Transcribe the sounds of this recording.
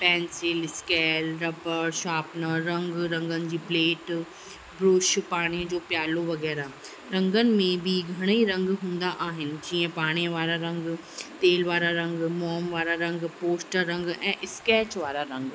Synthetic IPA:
pɛ̃ːnsɪlskɛːlɾɐpəɾʃaːpnəɾɐ̃ŋɡɾɐ̃ŋɡənɪ̆d͡ʑiːpleːʈ | bɾʊːʃpaːɽ̃id͡ʑoːpjaːloʋɐɣɛːɾa | ɾɐ̃ŋɡənɪ̆mẽbʱɪɡʱɐɽ̃eiɾɐ̃ŋɡɦũːn̆d̪aʔaːɦɪnɪ̆d͡ʑiːə̃paːɽ̃iʋaːɾaɾɐ̃ŋɡ | t̪eːlʋaːɾaɾɐ̃ŋɡmɔːmʋaːɾaɾɐ̃ŋɡpoːsʈəːɐ̃ŋɡɛ̃ːʔɪskɛːt͡ɕʋaːɾaɾɐ̃ŋɡ

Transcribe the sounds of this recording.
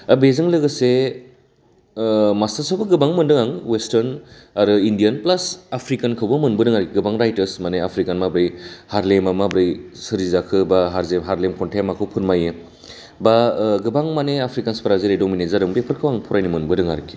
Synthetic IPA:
bezɯŋlɯɡɐse | mastasabɐɡɯbaŋmɯndɯŋaŋwestɐɾnaɾɯindijanplasapʰɾikankʰɯwbɐmɯnbɯdɯŋaɾkʰiɡɯbaŋɾajtɐɾsmaneapʰɾikanmabɾɯjhaɾlemamabɾɯjsɯɾizakʰɯbaɦaɾzemɦaɾlemkʰɔntʰemakʰɯwpʰɯɾmaje | baɡɯbaŋmaneapʰɾikanspɐɾazeɾedominezadɯŋbepʰɯɾkʰɯwaŋpʰɔɾajnimɯnbɯdɯŋaɾɯkʰːi̥

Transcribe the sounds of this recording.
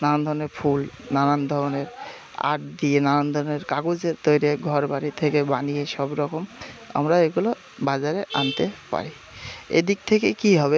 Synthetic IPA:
nanand̪ʱɔɾoneɾfʰulnanand̪ʱɔɾoneɾ | a̰ʈ̚d̪ienanand̪ʱɔɾoneɾkaɡod͡ʑeɾt̪ojɾeɡʱɔɾbaɽit̪ʰekebanijeʃɔbɾɔkoma̰mɾaeɡulo | bad͡ʑaɾeʔa̰nt̪epa̰ɾi | ḛd̪ik̚t̪ʰekekiɦɔβe

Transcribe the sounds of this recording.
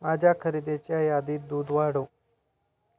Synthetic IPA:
maːd͡ʒaːkʰəɾid̪et͡ʃaːjaːd̪iːd̪uːd̪ʋaːɽoː

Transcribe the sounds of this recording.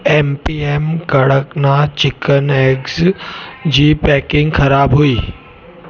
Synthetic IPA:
empiːemkəɽəknat͡ɕɪkəneks | d͡ʑiːpɛːkɪ̃ŋɡkʰəɾaːbɦuiː

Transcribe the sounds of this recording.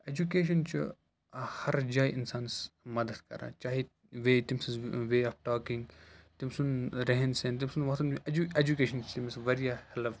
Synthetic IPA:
eːd͡ʒukeːʃ̬ɐnt͡ʃṵ | hɐɾd͡ʒaːjɪnsaːnsmɐd̪ɐd̪kɐ̰ɾã̰ːt͡ʃaːɦi | ʋeːt̪imsizʋeːaːfʰʈaːkɪ̃ŋɡt̪imsunɾɛɦɛnsẽːnt̪̬imsunʋɐkt̪ɐned͡ʒukeːʃɐnt͡ʃt̪imsʋɐɾjaːhɛlʋ

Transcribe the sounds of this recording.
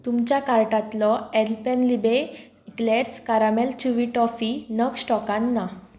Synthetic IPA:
t̪umt͡ɕjakaɾʈat̪lɔɛlpɛnlibe | kleɾskaɾamɛlt͡ɕuʋiʈɔfinəksʈɔkãnːa

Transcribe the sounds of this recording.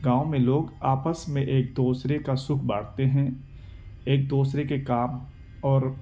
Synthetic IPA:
ɡãːõmẽloːɡaːpəsmẽʔeːk̚d̪oːsɾekasʊkʰbaːɽ̤t̪eɦɛ̃ | eːk̚d̪oːsɾekekaːm | ɔːɾ

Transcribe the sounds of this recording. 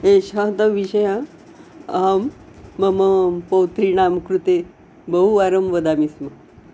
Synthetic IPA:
ẽɕãt̪əʋiɕəjã | amː | əməpəwt̪ɾinamkɾut̪e | bəɦuaɾəmʋəd̪amismə

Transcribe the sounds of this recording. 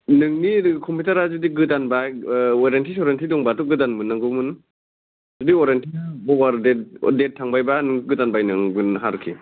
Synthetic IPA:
nɯŋnikʰɔmpʰitaɾad͡ʒudiɡɯtanbajɔɾentʰisɔɾentʰidɔŋbatuɡɯdanmɯnːaŋɡɯmun | d͡ʒudiɔɾentʰiabɔwaɾdetdet̚ʰːaŋbajbanɯŋɡɯtanbajnɯŋbɯnɦaɾkʰi

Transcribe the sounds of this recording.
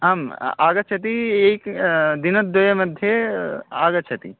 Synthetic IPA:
ɦamaːɡɐt͡ʃʰɐt̪̬ieikd̪inɐt̪̚d̪ojɐmɐd̪ʱjeaːɡɐt͡ʃʰɐt̪ḭ

